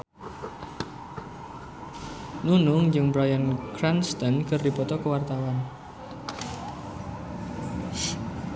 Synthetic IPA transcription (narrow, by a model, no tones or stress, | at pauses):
nunʊŋd͡ʒɨŋbɾajankɾanst̪ənkərdipɔt̪ɔkəwart̪awan